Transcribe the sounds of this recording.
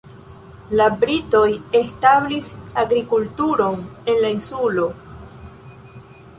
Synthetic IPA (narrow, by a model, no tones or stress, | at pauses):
labɾito̞je̞stablisaɡɾikultuɾo̞ne̞nlainsulo̞